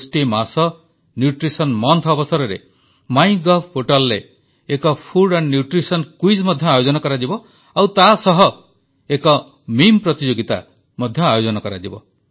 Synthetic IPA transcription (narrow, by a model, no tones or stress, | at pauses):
sʈimasɔ | njuʈɾisɔnmɔnt̪ʰːbɔsɔɾɔɾḛ | maj̃ɡɔbʰpoʈɔlɾeː | kɔpʰuɖanːjuʈɾisɔnkwizmɔd̪ʱjɔajod͡ʒɔnɔkɔɾad͡ʒibɔ | awt̪asɔɦɔ | ekɔ | mimpɾɔt̪id͡ʒoɡit̪a̰ | mɔd̪ʱjɔajod͡ʒɔnɔkɔɾa̰d͡ʒibɔ̰